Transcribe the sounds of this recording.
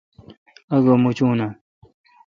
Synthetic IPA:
ɐɡomut͡ɕuːna

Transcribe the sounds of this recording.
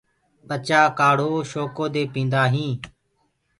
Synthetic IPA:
pət͡ʃaːkaːɽ̤oːʃoːkoːd̪eːpĩːnd̪aːɦĩː

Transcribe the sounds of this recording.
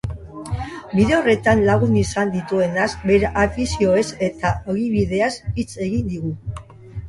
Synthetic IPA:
biðe̞ore̞t̪anlaɣunisand̪it̪ue̞nazbe̞ɾʔafisio̞e̞se̞t̪aoɣiβið̞e̞asit͡se̞ɣind̪iɣu

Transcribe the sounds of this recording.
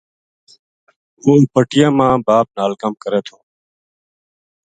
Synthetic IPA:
ɦoːpəʈɪjãːmãːbaːp̚naːlkəmkəɾeːt̪ʰoː

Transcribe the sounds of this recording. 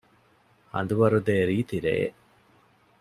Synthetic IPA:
hɐ̰nd̪uʋɐɾud̪eɾiːt̪iɾḛː

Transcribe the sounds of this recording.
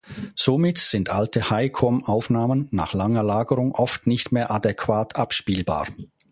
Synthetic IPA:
z̥omɪtz̥ɪntʔaltəhaɪkʰɔmʔaʊfnaːmənːa̰ːχlaŋɐlaːɡəʁʊŋʔɔftnɪçtmeːɐʔadɛkʰv̥aːtʰʔapʃpiːlba̰ː

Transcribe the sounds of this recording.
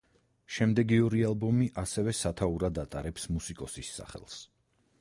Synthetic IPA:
ʃɛmd̪ɛɡiɔɾialˠbɔmiʔasɛvɛsat̪ʰauɾad̪at̪ʼaɾɛpsmusikʼɔsisːa̰χɛ̰lˠs

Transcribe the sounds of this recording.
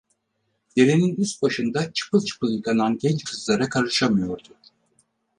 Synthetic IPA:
d̪̥e̞ɾeninyst̪̚baʃɯnd̪at͡ʃʰɯ̥pʰɯlˠt͡ʃʰɯ̥pɯlˠjikʰananɟɛnt͡ʃkʰɯzlˠaɾakʰaɾɯʃamɯjo̞ɾd̪ʊ

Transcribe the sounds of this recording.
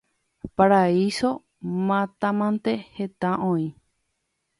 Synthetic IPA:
paɾaiso | mãt̪ãmãnt̪ehet̪ãʔõĩ

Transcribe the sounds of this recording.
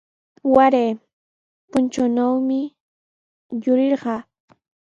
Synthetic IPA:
waɾeː | pʊnt͡ʃanawmɪ | jʊɾɪɾɢɑː

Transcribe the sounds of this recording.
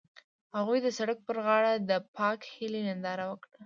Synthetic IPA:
haɣujd̪əsaɽək̚pəɾɣɑɽad̪əpʰɑkhɪlenand̪ɑɾawəkɽa

